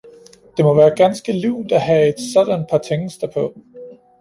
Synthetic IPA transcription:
d̥e̝mɒ̽ʋæːɐɡ̥ænsɡ̥əliʊ̰d̥æɦæe̝d̥sɒ̽d̥ænd̥̚pʰɑ̈t͡sʰeŋ̩sd̥ɐpʰɒ̽

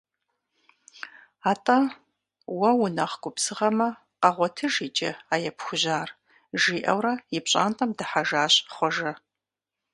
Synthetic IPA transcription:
aːtʼɐ | wɐwʊnɐχɡʷʊpsɨʁɐmɐ | qɐʁʷɔtʰɨʒiːt͡ʃʼɐ̰aːjɛpxʷʊʑaːr | ʒiːʔɐ̰wɾɐjɪpɕʼa̰ːntʼɐmdɐħaʒaːɕʼχʷɔʒɐ

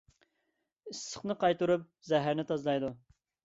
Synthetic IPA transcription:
isːə̥χnɨqɑjt̪uɾup̚zɛɦæɾnɪt̪ʰɑzlˠɑjd̪u

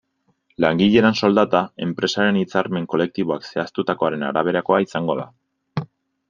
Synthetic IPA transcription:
laŋɡiʎe̞ɾanso̞ld̪at̪ae̞mpɾe̞saɾe̞nit͡saɾme̞ŋko̞le̞k̚t̪iβo̞akse̞ast̪ut̪ako̞aɾe̞na̰ɾaβ̞e̞ɾako̞aisaŋɡo̞ða̰

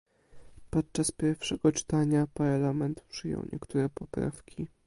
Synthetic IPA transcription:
pɔt̪̚t͡ʂaspʲjɛɾfʂɛɡɔt͡ʂɘ̥t̪aɲapaɾlamɛnt̪pʂɘjɔ̰̃wɲʔɛ̰kt̪uɾɛpɔpɾa̰fkʲʰi

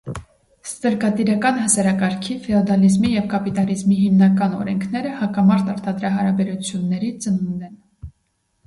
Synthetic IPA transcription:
st̪əɾkɑt̪iɾɑkɑnhəsɑɾɑkɑɾkʰifɛɔd̪ɑlizmijɛvkɑpit̪ɑlizmiɦimnɑkɑnɔ̰ɾɛŋkʰnɛɾəhɑkɑmɑɾt̪ɑɾt̪ʰɑd̪ɾɑɦɑɾɑbɛɾut͡sʰjunːɛɾit͡sənund̪ɛn

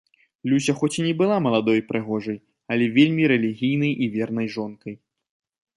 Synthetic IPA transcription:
lʲusʲɐxɔt͡sʲinʲɛbɨlˠamɐlˠad̪ɔjpɾɨɣɔʐɐj | ɐlʲɛvʲelʲmʲiɾɛlʲiɣʲijnɐjʔivʲɛrn̪ɐjʐɔnkɐj

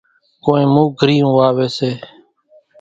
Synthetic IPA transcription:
koːĩːmũːɡʱəɾiːũːʋaːʋeːseː

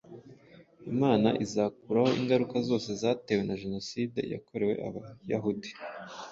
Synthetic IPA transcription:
imaːna̰ʔizak̚uɾaho̞ʔiŋɡaɾukazo̞ːse̞zaːte̞we̞naʒe̞no̞siːde̞̰ja̰kʰo̞ɾe̞we̞̰ʔa̰βajaɦudi̥

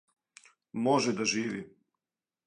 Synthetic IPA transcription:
moʒɛd̪aʒiːʋi

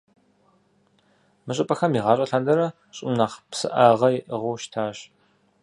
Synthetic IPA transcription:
mɨɕ̬ʼɪpʼɐxɐmiːʁɑːɕʼɐɬaːndɐɾɐ | ɕʼɪmnaːχpsɨ̰ʔaːʁɐjɪʔəʁʊʃtʰaːɕ

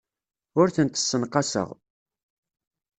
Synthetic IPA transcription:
ʊɾθənt̪ə̥sːənqɑsə̰ʁ

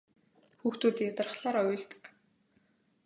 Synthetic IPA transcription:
xuːxt̪uːt̪jat̪ə̆rχɮaːɾɔjʲʊɮt̪ə̥̆k

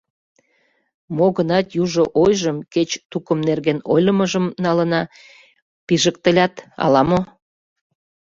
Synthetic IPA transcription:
moɣənɑt̪juʒoʔojʒəmket͡ɕt̪ukəmnerɣeno̰jlʲəməʒəmnɑlənɑ | piʒək̚t̪əlʲɑt̪ɑ̰lɑmo

